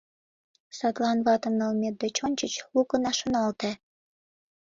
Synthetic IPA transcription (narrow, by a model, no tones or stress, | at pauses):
sɑt̪lɑnβɑt̪ə̆mnəlmet̪̚d̪et͡ɕont͡ɕət͡ɕlukənɑʃə̆nɑlt̪ĕ